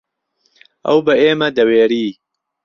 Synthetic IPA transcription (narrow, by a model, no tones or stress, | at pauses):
ʔɐ̰wbɐeːmɐd̪ɐweːɾiː